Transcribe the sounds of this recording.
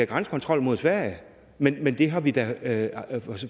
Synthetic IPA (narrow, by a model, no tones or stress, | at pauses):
æɡ̥ʁansə̥kʰɒ̽nt͡sʰʁɒ̽l̰mo̝ð̞ˠsʋæɐ̰jə | menmend̥e̝ɦɑ̈ʋid̥æ